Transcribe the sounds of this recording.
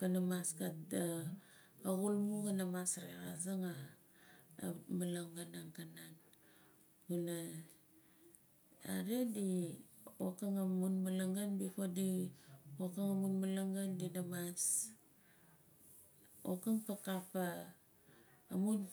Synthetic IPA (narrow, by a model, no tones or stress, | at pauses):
kanamaskatda | aɣulmuɣanamasɾeɣazaŋa | malaŋɡanaŋkanan | ɡuna | a̰ɾedi | okaŋamunmalaŋɡanbikodi | okamamunmalaŋɡandinamas | o̰kaŋpakapa | mun